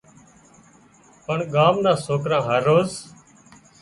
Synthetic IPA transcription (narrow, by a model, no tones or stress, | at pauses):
pəɳɠaːmnãːsoːkɾãːɦəɾːoːz